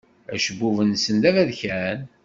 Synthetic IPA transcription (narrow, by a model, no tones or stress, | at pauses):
æ̰ʃəbːuvənsənlævæðçæn